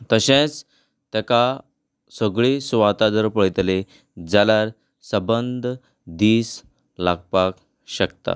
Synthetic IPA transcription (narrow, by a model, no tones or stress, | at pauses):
t̪əɕẽt͡s | t̪aka | səɡɭesʋat̪ad̪əɾpəɭt̪le | d͡zalaɾ | səbənd̪ʱ | d̪iːs | laɡ̚pak | ɕək̚t̪a̰